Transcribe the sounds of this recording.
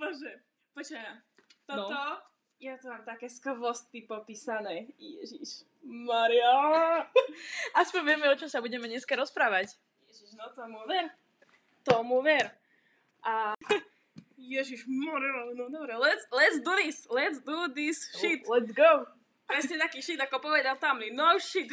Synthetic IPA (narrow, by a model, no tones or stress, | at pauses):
bɔʒɛ | pɔt͡ʃɛat̪ɔnɔɔ | jat̪ɔmaːmt̪akɛːskʋɔst̪ipɔpiːsanɛjɛ̰ʒiʃ | maɾia | aspɔɲʋjɛmɛɔt͡ʃɔmsabuɟɛmɛɲɛskaɾɔspɾaːʋac | jɛʒiʃnɔt̪ɔmuʋɛɾ | t̪ɔmuʋɛɾ | ʔa | jɛʒiʃmaɾianɔd̪ɔbɾɛlɛt̪slɛt̪sd̪uðislɛt̪sd̪ud̪isʃit̪lɛsɡoʊ | pɾɛsɲɛt̪akiːʃid̪akɔpɔʋɛd̪alt̪amlinoʊʃit̪